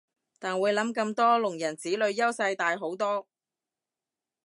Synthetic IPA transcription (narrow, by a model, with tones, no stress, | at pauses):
t̪aː˨˩nwuː˨˧jlɐ˨˥mkɐ˧mt̪ɔː˥lʊ˨˩ŋjɐ˨˩nt͡siː˨˥lɵ˨˧ɥjɐ˥wsɐ˧jt̪aː˨jɦo˨˥wt̪ɔː˥